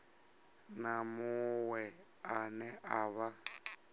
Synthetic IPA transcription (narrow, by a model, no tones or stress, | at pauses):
namʊwɛanɛʔaβa